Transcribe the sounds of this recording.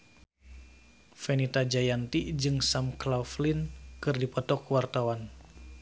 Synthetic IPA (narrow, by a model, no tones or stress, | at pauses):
fɛnit̪ad͡ʒajant̪id͡ʒɨŋsamklauflinkɨrdipɔt̪ɔkwart̪awan